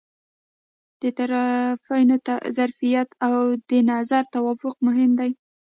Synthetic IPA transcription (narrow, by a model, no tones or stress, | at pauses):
d̪̥ət̪aɾafajnoazaɾfijat̪awd̪ənɑzaɾt̪awɑfʊq̚mʊɦɪmd̪aj